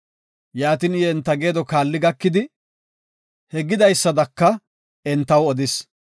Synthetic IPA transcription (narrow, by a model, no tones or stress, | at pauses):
jaːt̪iːnɪjɛɛnt̪ːɐɡe̞ːd̪ɔkaːlːɪɡɐkːɪd̪ɪ | hɛɡɪd̪ɐjsːɐd̪ɐkːɐ | ɛnt̪ːɐwɔd̪ɪs